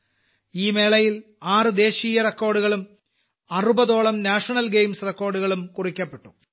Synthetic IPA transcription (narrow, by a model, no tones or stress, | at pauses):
iːme̞ːɭɐjil | aːrɨd̪e̞ːɕiːjɐrekːo̞ːrɖuɣɐɭum | ɐrubɐðo̞ːɭɐmnaːʂɐnɐlɡejmsrekːo̞ːɖuɣɐɭumkurikʲːɐpːe̞ʈːu̥